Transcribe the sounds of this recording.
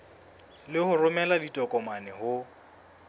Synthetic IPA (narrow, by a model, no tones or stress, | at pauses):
lɪhʊrʊmɛladitʼɔkʼɔmanɛhʊ